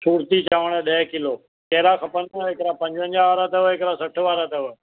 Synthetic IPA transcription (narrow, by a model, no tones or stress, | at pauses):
suːɾt̪iːt͡ʃaːʋəɳ̃ɛ̃ːɗəɦkɪloː | keɦɾãːkəpənɦɪkɾãːpə̃ɲd͡ʒʋə̃ɲd͡ʒãʋaːɾaːt̪əʋɪkɾãːsəʈʰʋaːɾaːt̪əʋ